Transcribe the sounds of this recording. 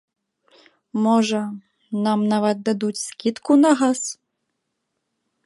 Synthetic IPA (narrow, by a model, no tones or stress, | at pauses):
mɔʐɐ | namnavɐt̪̚d̪ad̪ut͡sʲskʲit̪kunɐɣas